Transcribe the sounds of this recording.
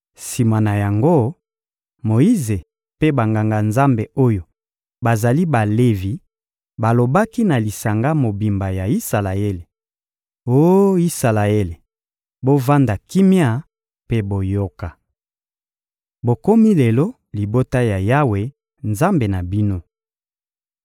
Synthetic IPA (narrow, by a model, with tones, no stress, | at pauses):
si˨ma˨na˨ja˨ŋɡo˦ | mo˨i˦ze˨ | pe˦ba˨ŋɡa˨ŋɡa˨nza˦mbe˨o˦jo˨ | ba˨za˨li˦ba˨le˦vi˨ | ba˨lo˨ba˦ki˦na˨li˨sa˨ŋɡa˦mo˨bi˨mba˨ja˨i˦sa˨la˨e˦le˨ | o˦i˦sa˨la˨e˦le˨ | bo˦va˦nda˨ki˦mja˦˨ | pe˦bo˨jo˦ka˨ | bo˨ko˦mi˦le˨lo˦ | li˨bo˦ta˦ja˨ja˦we˨ | nza˦mbe˨na˨bi˦no˦